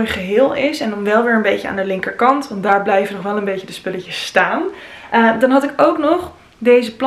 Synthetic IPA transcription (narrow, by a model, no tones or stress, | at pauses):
jχəɦɪːlˠɪsɛndɑnʋɛlˠʋɪːɹənbejcəa̰ːndəlɪŋkəɹkɑntʋɑnt̚daːɹblɛjvənɔχʋɛlˠə̃nbejcədəspɵləcəstaːn | ʔədɑnɦɑtɪkowknɔχ | dejzəpl